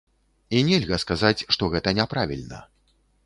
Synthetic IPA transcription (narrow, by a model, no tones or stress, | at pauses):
inʲɛlʲɣɐskazat͡sʲʂt̪ɔɣɛt̪ɐnʲɛpɾavʲilʲnɐ̰